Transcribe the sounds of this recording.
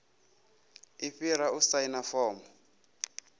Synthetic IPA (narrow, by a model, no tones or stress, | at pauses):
iɸiɾausainafɔːmɔ